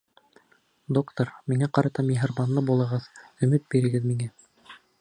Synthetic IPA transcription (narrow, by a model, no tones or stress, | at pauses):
d̪okt̪oɾmiŋæqɑɾɑt̪ɑmiɦɤ̆ɾmɑnlˠɤbulˠɤ̆ʁɤðɵ̆mɘt̪̚biɾɘ̆ɡɘðmiŋæ